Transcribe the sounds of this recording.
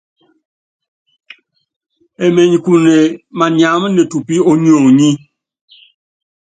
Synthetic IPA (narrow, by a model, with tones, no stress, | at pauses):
e˨me˨ɲ˨ku˨ne˨ma˨n˨a˨˦m˦ne˨tu˨pi˦ɔ˦ɲ˦o˨ŋɲi˦